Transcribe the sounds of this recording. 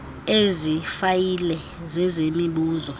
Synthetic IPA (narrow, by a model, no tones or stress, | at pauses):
ezifajilɛ | zɛzemiɓuːzɔ